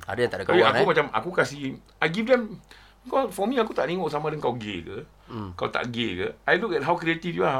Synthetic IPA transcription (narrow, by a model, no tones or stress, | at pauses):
a̰dəjaŋt̪adəkaiakumat͡ʃama̰kukasi | ajɡifdɛm | bikɔsfɔmĩakut̪aʔniŋɔʔs̬amãdəŋkawɡḛkə̰ | ka̰wt̪a̰ʔɡekə̰ajlukɛt̚ɦawkɾiet̪ifjua